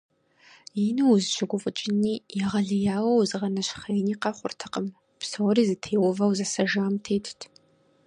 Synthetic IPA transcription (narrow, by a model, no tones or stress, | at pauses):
jinɨwzʒɪɡʷʊfʼət͡ʃʼɪniːjɛʁɐɮɨjaːwɐwzɨʁɐnɐɕχejniːqɐχʷʊ̰rtʰɨ̥qəm | psɐwɔɾiːzɨtʰeːwɔvɐwzɐsɐʒaːmtʰeːtʰtʰ